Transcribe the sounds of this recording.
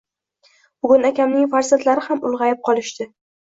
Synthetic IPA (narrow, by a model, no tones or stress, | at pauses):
bʊɡʲʊnakʲamnɪŋfaɾzant̪laɾɪhamʊlˠʁɑjap̚qʰɒlˠɪʃt̪ɪ